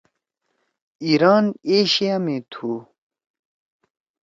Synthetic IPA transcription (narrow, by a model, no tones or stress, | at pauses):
iːɾaːneːɕijamẽːt̪ʰuː